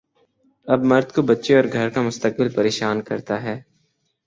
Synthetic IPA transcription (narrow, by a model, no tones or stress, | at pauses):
ɐbmɐɾd̪kobɐtːʃeɔːɾɡʱɐɾkamʊst̪ək̚bɪlpɐɾeːʃaːnkɐɾt̪aɦɛː